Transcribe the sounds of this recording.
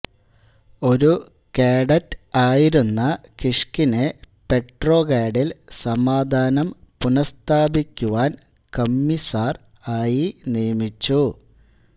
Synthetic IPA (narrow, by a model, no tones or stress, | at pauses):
o̞ɾu | keːɽɐtːaːjiɾunːɐkiʂkine̞ | pe̞ʈro̞ːɡaːɖilsɐmaːd̪ʱaːnɐmpunɐst̪ʰaːbikʲːuʋaːn | kɐmːisaːr | aːjinijɐmit͡ɕːu